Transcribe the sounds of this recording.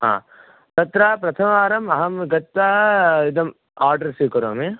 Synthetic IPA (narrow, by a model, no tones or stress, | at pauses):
ɦã̰ː | t̪ɐt̪ɾaːpɾɐt̪ʰɐmaːɾɐmɐɦɐmɡɐt̪ːaːid̪ɐm | aːɾɖɐɾsiːkɐɾoːme